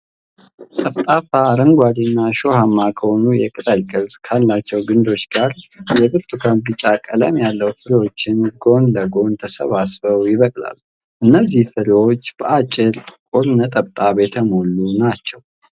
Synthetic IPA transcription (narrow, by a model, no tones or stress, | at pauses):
t̪ʼəβt̪ʼafaɾəŋɡʷad̪inːaʃo̞hamːakʰəhonujɛkʼɨt̪ʼəlkʼɨlzkʰalːat͡ʃːɛwɡɨnd̪o̞t͡ʃːɡ̥aɾjɛbɨɾt̪ʰʼukʰanbɨt͡ʃʼːakʼələ̰mjalːəwfɨɾiwo̞t͡ʃːɪnɡo̞nləɡo̞nt̪ʰəsəβasbəwjɪβəkʼla̰lː | ʔɨnːəzːihfɨɾiwo̞t͡ʃːb̥əʔat͡ʃʼːɪɾʼkʼuɾnət̪ʼəbt̪ʼaβet̪ʰəmo̞lːunat͡ʃːɛw